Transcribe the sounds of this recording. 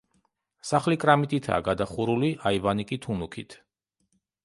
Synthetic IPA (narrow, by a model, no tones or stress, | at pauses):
saχlikʼɾamit̪ʼit̪ʰa̰ːɡad̪aχuɾuliʔaivanikʼit̪ʰunukʰḭt̪ʰ